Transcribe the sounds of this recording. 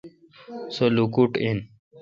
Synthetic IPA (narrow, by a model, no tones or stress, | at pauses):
solukuʈin